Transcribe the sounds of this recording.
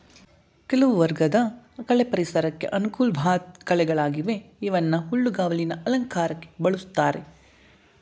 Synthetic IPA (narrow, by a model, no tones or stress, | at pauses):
kelɐʋuʋɐɾɡɐd̪ɐkɐɭepɐɾisɐɾɐkːe̞̰ʔɐnukuːlbʱaːt̪̚kɐɭɛɡɐɭaːɡiʋe̞iʋɐnːɐɦuɭːuɡaːʋɐlinɐʔɐlɐŋkaːɾɐkːe̥bɐɭust̪ːaːɾe̞